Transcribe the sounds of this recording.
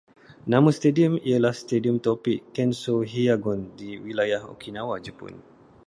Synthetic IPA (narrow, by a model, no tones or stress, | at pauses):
nãmũst̪ediumijəlahst̪ediumt̪ɔpikːɛnsoɦiaɡɔndiwilajaho̰kʰinãwad͡ʒəpʊ̰n